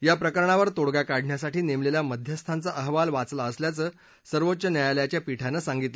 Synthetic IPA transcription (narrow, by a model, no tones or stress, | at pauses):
japɾəkəɾɳaʋəɾt̪oɽɡakaɽʱɳjasaʈiːnemleljaməd̪ʱjəst̪ʰant͡saʔəɦʋalʋat͡slaəsljat͡səː | səɾʋot̪ːɕənjajaljat͡ɕjapiʈʰanəsãŋɡit̪lə